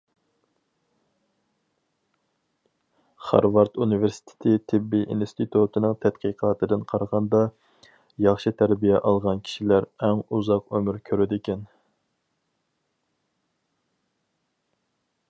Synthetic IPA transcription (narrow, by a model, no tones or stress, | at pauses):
χɑ̰ɾvɑɾt̪ʰuniveɾsɪ̥t̪ʰe̥t̪ʰɪt̪ʰɪbːiʔinst̪ʰɪt̪ʰut̪ʰɨnɨŋt̪ʰɛt̪qiqʰɑːt̪ʰɨd̪ɨnqʰɑɾʁɑnd̪ɑ | jɑχʃɨt̪ʰæɾbijɛʔɑlˠʁɑnkʲʰi̥ʃilæɾɛŋuzɑqømyɾkʲʰøɾɪd̪ɪkʲʰɛn